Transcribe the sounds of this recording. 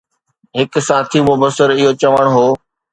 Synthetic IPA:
ɦɪksãːt̪ʰimʊbəsɪɾɪɦot͡ɕɐʋəɽ̃ɦoː

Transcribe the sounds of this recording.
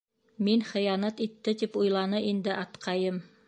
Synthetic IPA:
minχɘ̆jɑnæt̪it̪ːɘt̪ipujlˠɑnɤʔind̪ɘʔɑt̪qʰɑjɤm

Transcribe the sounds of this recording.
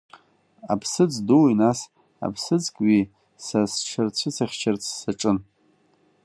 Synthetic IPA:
a̰pʰsɨt͡sʼduwinas | a̰pʰsɨt͡sʼkʼɥi | sasʈ͡ʂʰart͡ɕʷʰɨt͡sʰaχʲt͡ʃʰart͡sʰsaʈ͡ʂʼɨn

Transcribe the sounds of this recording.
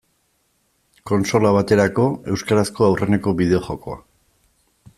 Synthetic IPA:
ko̞nso̞laβ̞at̪e̞ɾako̞e̞wskaɾasko̞awre̞ne̞ko̞βiðe̞o̞χo̞ko̞̰a̰

